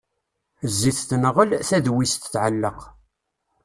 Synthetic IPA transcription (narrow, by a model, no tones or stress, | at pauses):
zːiθθnʁəlθæðwist̪θʕəlːəq